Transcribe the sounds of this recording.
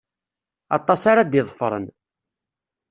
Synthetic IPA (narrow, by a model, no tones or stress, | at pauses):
ɑ̰t̪ˤːɑsaɾad̪jɪðˤfɾˤə̰n